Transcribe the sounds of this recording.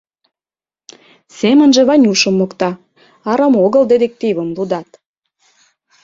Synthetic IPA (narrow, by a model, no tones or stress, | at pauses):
semə̆nʒĕβɑnʲuʃə̆mːokt̪ɑ | ɑɾɑmoɣə̆ld̪ed̪ek̚t̪iβəmlud̪ɑt̪